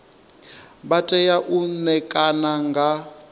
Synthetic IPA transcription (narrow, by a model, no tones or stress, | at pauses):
batʼɛjaʔunɛkʼanaŋɡʱa